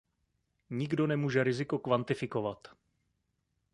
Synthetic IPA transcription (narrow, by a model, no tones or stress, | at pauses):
ɲɪɡdo̞nɛmuːʒɛɾɪzɪko̞kvant̪ɪfɪko̞vat̪